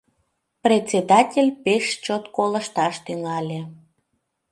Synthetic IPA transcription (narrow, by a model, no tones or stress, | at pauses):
prʲet͡sʲed̪ɑtʲelʲpeʃt͡ɕot̪koləʃt̪ɑʃt̪yŋɑlʲe